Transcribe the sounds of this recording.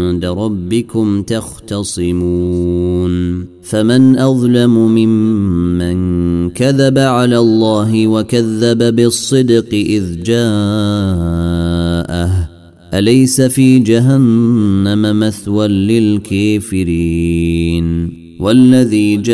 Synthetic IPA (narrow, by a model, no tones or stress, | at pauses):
d̪aɾˤɑbːɪkʊmt̪ɑxt̪ɑsˤɨmuːn | famanʔɑðˤlamʊmɪmːankaðabaʕalaːlˤːɑːɦɪwakaðːababɪsˤːɨd̪qɨʔɪðd͡ʒaː | ʔah | ʔalajsafiːd͡ʒaɦanːamamaθwalːɪlkʰaːfɪɾiːn | walːaðiːd͡ʒ